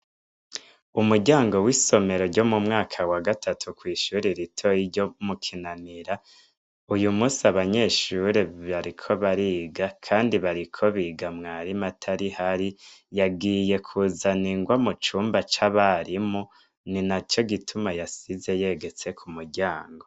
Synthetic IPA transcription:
umuɟaːŋɡo̞wiso̞me̞ɾo̞ɾɟo̞mumŋaːkʰawaɡatʰatʰukwiːʃuːɾiɾitʰo̞iɾɟo̞mukʰinaniɾa | ujumusaβaɲe̞ːʃuɾeaɾikʰo̞βaɾiːɡakʰaːndiβaɾikʰo̞βiːɡamŋaːɾimatʰaɾihaɾijaɡiːje̞kʰuzaniŋɡwamut͡ʃuːmbat͡ʃaβaɾimu | ninat͡ʃo̞ɡitʰumajasize̞je̞ɡe̞t͡se̞kʰumuɟaːŋɡo

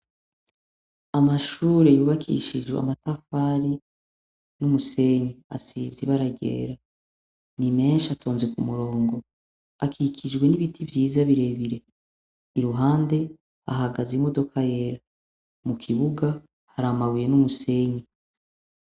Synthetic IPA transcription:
amaʃuːɾe̞juːβakʰḭʃid͡ʒɡwḛa̰matafaɾi | numuse̞ɲia̰siziβaɾaɟe̞̰ːɾa | nime̞ːnʃatʰo̞ːnzekumuɾo̞ːŋɡo̞ | akʰikʰid͡ʒɡwe̞niβitʰivjiːzaβiɾe̞βiɾe̞ | iɾuɦaːnde̞ | aɦaɡazimo̞do̞kaje̞ːɾa | mukʰiβuɡa | haɾamawije̞numuse̞ɲi

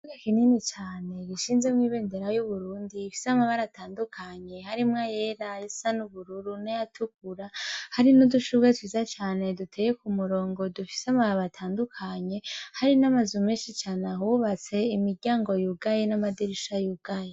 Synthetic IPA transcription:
uɡekininit͡ʃaːne̞ɡiʃiːnzemŋwiːβe̞ːnde̞ɾajuβuɾuːndiːfi̥samaβaɾataːndukʰaɲe̞haɾimŋajeɾajisanuβuɾuɾunajatʰukuɾahaɾinuduʃuɡwetwiːzat͡ʃaːne̞dutʰejekumuɾo̞ːŋɡo̞dufi̥seamaβaβatʰaːndukʰaɲe̞haɾinamazumeːʃit͡ʃaːnaɦuβat͡se̞imiɾɟaːŋɡo̞juɡajenamadiɾiʃajuɡ̥aje

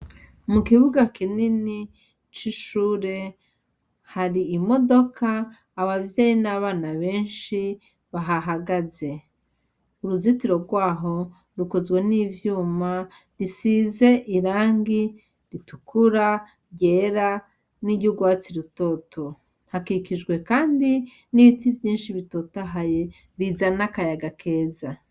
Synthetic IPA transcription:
mukiβuɡakinini | t͡ʃiʃuːɾe̞ | haɾiːmo̞do̞kʰaː | βavjeːjinaβaːnaβe̞ːnʃi | βaɦaɦaɡaze̞ | uɾuzitiɾo̞ɾɡwaːɦo̞ | ɾukozɡwe̞nivjuːma | ɾisiːze̞ʔiɾaːŋɡi | ɾitukʰuɾa | ɟeːɾa | niɟuɡwaːt͡siɾuto̞ːtʰo̞ | hakikiʒɡwe̞kaːndi | niβitivjiːnʃiβitoːtaɦaje | βizanakajaɡakʰe̞ːza

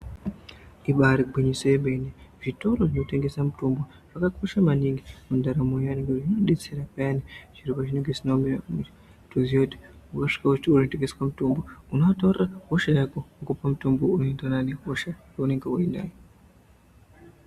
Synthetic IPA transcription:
iɓaɾiɡʱiɲisojeɓeneʐitoɾoʐinoteŋɡesamutombwo | ʐ̥akakʰoʃamaniŋɡimundaɾamojaniŋɡeʐinoɗet͡seɾapajanit͡ʃiɾupat͡ʃineŋɡesinombiamu | tuziodeukaʂi̥kautounoteŋɡeskamutombounoatorakoʃajakokupamutombounendananekoʃajaune̞ŋɡeuenda̰jo

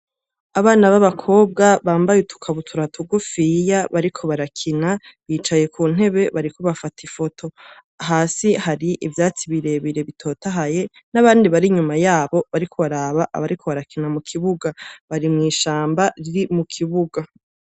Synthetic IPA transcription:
aβaːnaβaβakʰo̞ːb̚ɡaβaːmbajutu̥kʰaβutʰuɾatuɡufijaβaɾikʰo̞βaɾakʰinaβiːt͡ʃaje̞kʰuːn̥e̞βe̞βaɾikoβafatʰifo̞tʰo̞ | aɦaːsihaɾiʔivjaːt͡siβiɾe̞βiɾe̞βitʰo̞ːtaɦaje̞ | naβaːndiβaɾiɲumajaːβo̞βaɾikʰo̞βaɾaːβaʔa̰βaɾikʰo̞βaɾakinamukʰiβuɡaβaɾimŋiːʃaːmbaɾiɾimukʰiβuɡa

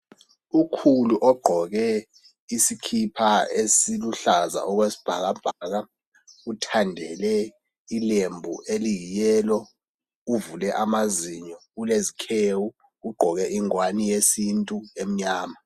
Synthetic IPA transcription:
ukʰuluʔɔɡ͡ǃʱɔk̬ɛ | isikʰipʰaesiluɬaza̰ʔɔk̬wesi̥b̥ʱa̰k̬ab̥ʱak̬a | utʰandʱɛlɛ | ilembʱuʔelijijɛːlɔ | uvulɛʔamaziɲɔulezikʰewu | uɡ͡ǃʱɔk̬ɛʔiŋwanijesintʼuem̩ɲaːma

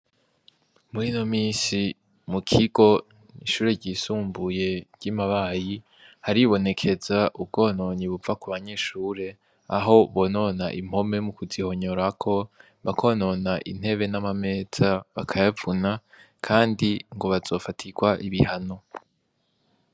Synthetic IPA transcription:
muɾino̞miːnsi | mukʰiɡo̞ | iʃuːɾeɟiːsuːmbuje̞ɾɟ̥imaβaːji | haɾiβo̞ne̞kʰe̞zaʔub̚ɡo̞ːno̞ɲiβuvakuβaɲe̞ʃuːɾe̞ | aɦo̞βo̞ːno̞naʔim̥ho̞me̞mukuziho̞ɲo̞ɾakʰo̞ | βakʰo̞no̞naʔḭn̥he̞βe̞namame̞ːz̥aβakʰajavuna | kʰaːndiŋɡo̞βazo̞ːfatʰiɡwaʔiβihano̞

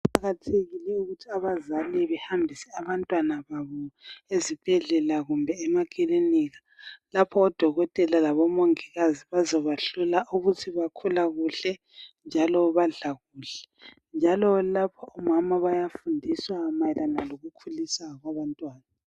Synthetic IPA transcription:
paɣatʰeɣilɛuɣutʰiaβazalɛβɛhambʱisɛaβantʼwanaβaβɔezib̥ʱɛɮɛlaɣumbʱɛːmakʼiliniːɣa | lapʰɔːd̥ʱɔɣɔtʼɛlalaβɔmoŋiɣaziβazɔβaɬulaʔuɣutʰiβakʰulaɣuɬɛ | nd͡ʒʱalɔβaɮaɣuːɬɛ̥ | nd͡ʒʱalɔlapʰɔɔmamaβajafundʱiswamajɛlanaloɣukʰulisaɣwaβantʼwaːna

